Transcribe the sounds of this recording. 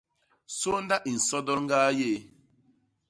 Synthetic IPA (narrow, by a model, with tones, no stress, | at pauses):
so˦nda˦ʔi˨n̩˨sɔ˦dɔ˦lŋ˦ɡaː˦jeː˦˨